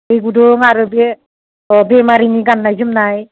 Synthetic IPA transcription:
ejɡudɔŋaɾɯbe | ɔbɛmaɾiniɡanːajzumnaj

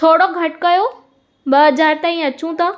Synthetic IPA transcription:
t̪ʰoːɽoɡʱɐʈkɐjoː | bɐɦɐzaːɾt̪aːĩɐt͡ɕũt̪ɐ

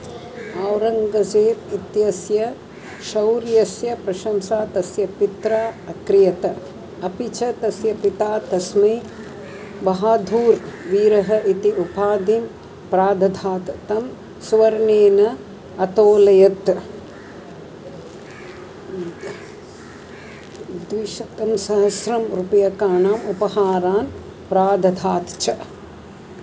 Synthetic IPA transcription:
aːwɾɐŋɡɐd͡ʒeːt̪it̪jɐsjɐ | ʃɐwɾjɐsjɐpɾɐʃɐmsaːt̪ɐsjɐpit̪ɾaːɐkɾɪjɐt̪ɐ | ɐpit͡ʃʰɐt̪ɐsjɐpit̪aːt̪ɐsmɐ | bɐɦaːd̪ʱuːɾʋiːɾɐɦɐʔit̪iʔupaːd̪im | pɾaːd̪ʱɐd̪ʱaːt̪t̪ɐm | sʋɐɾneːnɐ | ɐt̪oːlɐjɐt̪ | d̪ʋiʃɐt̪ɐmsɐɦɐsɾɐmɾupɐjɐkaːnaːmupɐhaːɾaːn | pɾaːd̪ʱɐd̪ʱaːt̪t͡ʃʰɐ

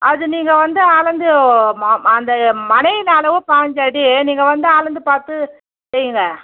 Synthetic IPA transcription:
ʔɐðɯniːŋɡɐʋɐnd̪ɯaːlɐnd̪ɯmɐnd̪ɐmɐnɐjɪlːɭɐʋɯpaːɲd͡ʒaːɽiniːŋɡɐʋɐnd̪ɯaːɭɐnd̪ɯpaːɾt̪ɯ | sɛɾjɯŋɡɐ

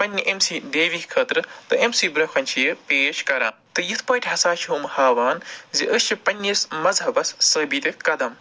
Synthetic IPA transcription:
pɐnʲːiʔemsiːɖeːʋikʰɐt̪ɾɨt̪ɨemsiːbɾɐxʰɐnʲt͡ʃʰijɨpeːʃkɐɾa̰ːmt̪ɨjɨt̪ʰpɐːʈʲʰɦɐsaːʃʰɦuːmhaːʋaːnziʔəst͡ʃʰipɐnʲːismɐzɦɐbɐssəːbiːt̪ɐkɐd̪ɐm

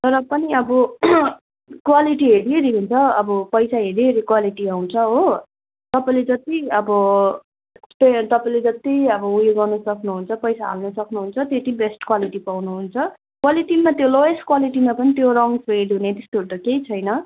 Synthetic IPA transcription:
t̪ʌɾʌpʌniʌbʌ | kwaliʈiɦeɽieɾiɦunt͡sʰʌʌbʌpʌjsaɦeɾieɾikwaliʈiaw̃t͡sʰʌɦo | t̪ʌpaĩled͡zʌt̪iʌbʌ | t̪ʌt̪ʌpaĩled͡zʌt̪iʌbʌujoɡʌnʌsʌknuɦunt͡sʰʌpʌjsaɦa̰lnʌsʌknuɦunt͡sʰʌt̪jet̪ibesʈkwaliʈipawnuɦunt͡sʰʌ | kwaliʈimːat̪jolojesʈkwaliʈimapʌnit̪joɾʌŋpeɖiɦunet̪est̪orʈ̪ʌkejt͡sʰʌjnʌ

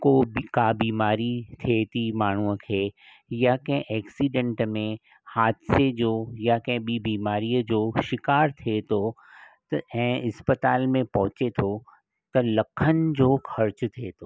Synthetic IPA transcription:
koːkaːbiːmaːɾit̪ʰet̪imaːɳ̤uə̃kʰe | jakɛ̃ʔɛːksiːɖə̃ɳʈmẽ | haːt̪sed͡ʒoːjakɛ̃bibiːmaːɾijd͡ʒoːʃɪkaːɾt̪ʰet̪o | t̪ɛ̃ɪspət̪aːlmẽpɐ̃ɦt͡ʃet̪ʰo | t̪ɐlɐkʰːənd͡ʒoːxɐɾt͡ʃt̪ʰet̪ʰoː

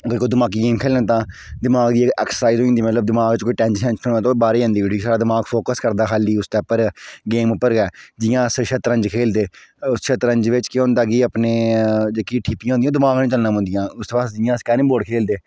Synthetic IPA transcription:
əɡəɾkoːd̪ɪmaːk̬iːɡeːmkʰeːlnãːt̪ãː | d̪ɪmaːɡd̪iːkɛːksəsaːɪzɦoːĩnd̪iːmət̪ləb̚d̪ɪmaːɡt͡ʃkoːiːʈɛ̃ːnt͡ʃʃɛ̃nt͡ʃnːobaːɾeːãːnd̪iːoʈʰiːsaːɾaːd̪ɪmaːɡfʰoːkəskəɾd̪aːɦaːliːʊst̪ɛːpəɾɡeːmʊpːəɾɡɛːd͡ʒɪjãːsʃət̪ɾə̃ɲd͡ʒkʰeːld̪eːʊsʃʰət̪ɾəɲd͡ʒʋɪt͡ʃkɪõːnd̪aːɡiːəpneːd͡ʒeːkiʈʰiːpːijãːnd̪ĩãːd̪ɪmaːɡnĩːt͡ʃəlnãːɦõːnd̪ijãːʊst̪oːpaːsd͡ʒɪjãːskɛːnĩːboːɖkʰeːld̪eː

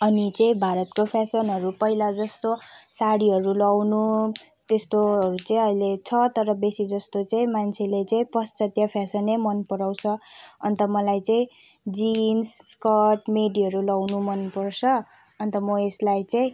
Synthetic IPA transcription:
ʌnit͡sʌĩbʱaɾʌt̪kopʰasʌnɦʌɾupʌɦilad͡zʌst̪osaɽiɦʌɾulawnu | t̪est̪oɦʌɾut͡sʌĩʌilet͡sʰʌt̪ʌɾʌbesid͡zʌst̪ot͡saĩmant͡sʰelet͡sʌĩpʌst͡sʌt̪jʌpʰjasʌnemʌnpʌɾaw̃t͡sʰʌʌnt̪ʌmʌlajt͡saĩ | d͡zinsskʌʈmeɖiɦʌɾulʌwnumʌnpʌrt͡sʰʌ | ʌnt̪ʌmʌeslajt͡sʌĩ

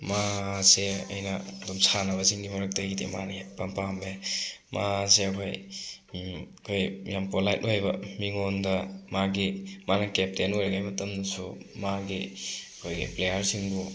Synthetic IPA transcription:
maseɐ̰jnɐdɔmsʰanɐβɐsiŋɡimɐɾɐk̚tɐɡidḛma̰nepɐmpambemaseɐkʰoj | kʰojjampolajt̚ojbɐmiŋondɐmaɡimanɐkep̚tenojɾɐɡajmɐtɐmdɐsumaɡiɐkʰojɡḭplejɐɾsiŋbu

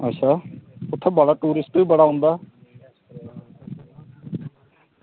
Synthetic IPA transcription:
ətːʃʰaːʊt̪ʰːeːbaːɽaːʈuːɾɪsʈbiːbəɽaːõːnd̪aː

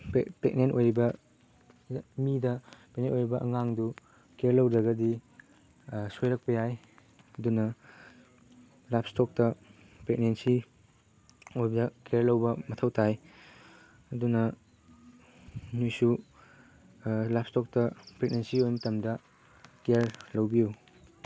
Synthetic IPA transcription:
pepek̚nenʔojɾibɐ | midɐpek̚nenojɾibɐʔɐŋaŋdu | keɾlɐwɾɐɡɐdi | sojɾɐk̚pɐjaj | ɐdunɐ | lapstɔk̚tɐ | pek̚nensi | ojbdɐkeɾlɐwbɐmɐtʰɐwtʰaj | ɐdunɐ | nujsu | lapstɔk̚tɐpɾek̚nensiojmɐtɐmdɐ | keɾlɐwbiu

